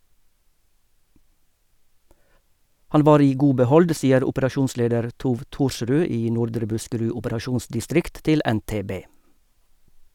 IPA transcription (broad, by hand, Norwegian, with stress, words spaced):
ˈhɑn ˈʋɑːɾ ˈiː ˈɡuː bəˈhɔld ˈsiːəɾ ʊpəɾɑˈʃuːnˌsleːdəɾ ˈtuːʋ ˈtuːɾˌʃʁʉː ˈiː ˈnʊɾdɾə ˈbʉskəˌɹʉ ʊpəɾɑˈʃuːnsdɪˌstɾɪkt ˈtɪl ˌɛnˌteːˈbeː